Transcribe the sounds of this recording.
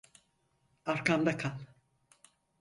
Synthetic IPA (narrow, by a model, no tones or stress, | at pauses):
aɾkʰamd̪akʰan